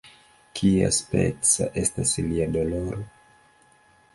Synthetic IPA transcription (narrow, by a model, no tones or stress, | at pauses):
kʰia̰spḛt͡sa̰ʔe̞stasliadoloɾo